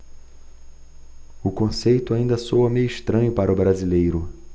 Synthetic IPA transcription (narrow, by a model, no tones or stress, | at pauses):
ʊkõsejt̪ʊaĩnd̪ɐsowɐmejʊiʃt̪ɾɐ̃ɲʊpaɾɐʊbɾazilejɾʊ